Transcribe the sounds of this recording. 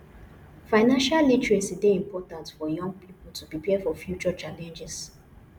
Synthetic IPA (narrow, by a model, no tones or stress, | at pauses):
faɪnãnʃallitɹesideĩmpɔtãntfɔjɔ̃ŋɡ̚pʰipltupipʰɛfɔfjut͡ʃɔt͡ʃalɛ̃nd͡ʒɛs